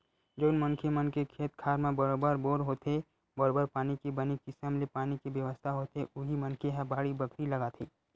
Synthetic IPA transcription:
d͡ʒoːnmənkʰemənkekʰeːt̪̚kʰaːɾmẽbəɾoːbəɾboːɾɦoːt̪e | bəɾoːbəɾpaːnikibɐnikɪsəmlepaːnikiʋjəʋəst̪ʰaɦoːt̪eʔʊɦimɐ̃nkʰeɦɛ̃baːɽibəkʰɾilɐɡaːt̪ʰiː

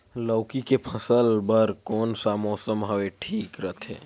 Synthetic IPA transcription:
ləːkikepʰəsəlbəɾkɔːnsamɔːsəmɦəweʈʰiːkɾət̪ʰḛ̃ː

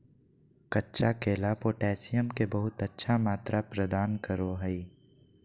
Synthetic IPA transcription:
kɐtːʃakeːlapoːʈɛːsɪjəmkebɐɦʊt̪ətːʃʰamaːt̪ɾʔapɾəd̪aːnkəɾoɦɛi

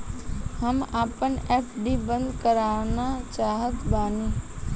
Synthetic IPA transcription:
həmaːpənɛːpɖibə̃nd̪kəɾaːnat͡ʃaːɦət̪baːniː

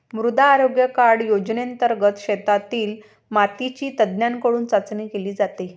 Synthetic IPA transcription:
mɾud̪aːɾoɡjəkaɽjod͡ʑneənt̪əɾɡət̪ɕet̪at̪iːl | mat̪it͡ɕiːt̪əd̪njaŋkəɽuːnt͡sat͡snekeliːd͡zat̪e

